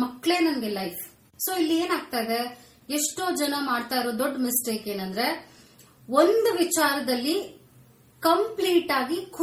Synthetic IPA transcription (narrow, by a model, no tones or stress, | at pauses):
mɐkːɭe̞ːnɐmɡelɐjfʰ | so̞ːilːieːnaːɡ̚t̪aːjd̪e̞ | eʂʈoːd͡ʒɐnɐmaːɖt̪aːjɾoːd̪oɖːmɪsʈe̞ːke̞ːnɐnd̪ɐɾe̞ | ond̪uʋit͡ʃaːɾɐd̪ɐlːi | kɐmpliːʈaːɡikʰ